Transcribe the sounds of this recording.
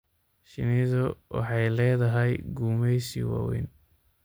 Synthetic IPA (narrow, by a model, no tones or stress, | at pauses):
ʃɪ̰nɪðɔwɑ̰ħɑjlɛːðɐɦɛjɡuːmɛjsḭwɑ̰ːwɛ̰n